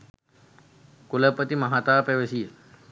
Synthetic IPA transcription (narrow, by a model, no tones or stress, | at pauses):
kuləpət̪imɐɦat̪aːpeʋesijə